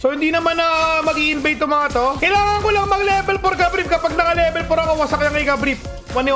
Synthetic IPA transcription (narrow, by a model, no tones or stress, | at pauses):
sohɪnd̪iːnɐmanɐmɐɡiʔɪnbɛjt̪ːʊmɐŋɐt̪okɐjlaːŋɐŋkolɐŋmɐɡlɛbɛlpoɾkɐbɾip̚kɐpaɡ̚nɐkɐlɛːbɛlpoɾɐkowɐsɐkɐjaŋɪkɐbɾip̚ | wɐnɪ